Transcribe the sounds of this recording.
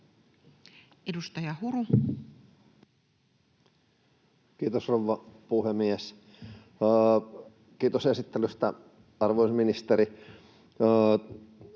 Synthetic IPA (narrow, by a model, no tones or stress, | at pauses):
edust̪ɑjɑhuɾu | kiːt̪osrouʋːɑpuhemies | kiːt̪osesit̪ːelyst̪æ | ɑrʋoˑisminist̪eɾi